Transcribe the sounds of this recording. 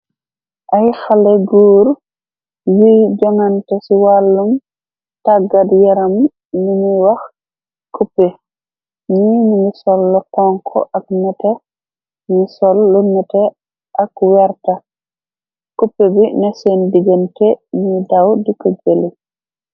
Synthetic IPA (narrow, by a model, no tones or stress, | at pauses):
ʔajxalɛɡuːɾ | wijd͡ʒaŋantɛsiwalːum | taɡadjɛɾam | numiwax | kupːe | ɲiːnimisɔlːɔtɔŋkʰɔ̰ʔaknɛtɛ | nisɔlːunɛtɛ | ʔakwɛɾta | kupːebinɛsɛndiɡantɛɲidawdikɔd͡ʒeli